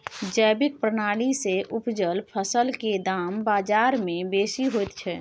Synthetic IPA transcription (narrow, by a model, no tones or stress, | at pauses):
d͡ʒəjbɪk̚pɾənaːɽiseʔupd͡ʒəlpʰəsəlked̪aːmbaːd͡ʒaɾmẽbeːsiɦojt̪t͡ʃʰɛ